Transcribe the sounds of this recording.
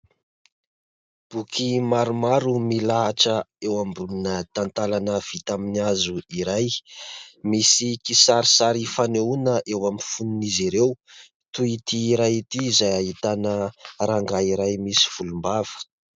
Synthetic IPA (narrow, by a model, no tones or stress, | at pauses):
b̥ukʰimaɾumaɾumilaɦaʈ͡ʂəewambulunət̪ant̪alanəv̥it̪aminiazuiɾaj | misikisaɾisaɾifaneunəʔewamifununiziɾew | t̪uit̪iːɾajit̪iːzajaɦit̪anəɾaŋɡaiɾajmisi̥v̥ulumbav̥ə̥